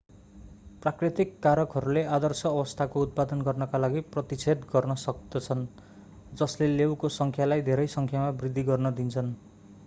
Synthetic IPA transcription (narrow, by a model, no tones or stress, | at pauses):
prakrit̪ikːaɾʌkɦʌɾulead̪ʌrsʌːbʌst̪ʰakout̪̚pad̪ʌnɡʌrnʌkalaɡiprʌt̪it͡sʰet̪ɡʌrnʌsʌk̚d̪ʌt͡sʰʌn | d͡zʌslelewkosʌŋkʰjalajd̪ʱeɾʌjsʌŋkʰjamabrid̪ʱːiɡʌrnʌd̪int͡sʰʌn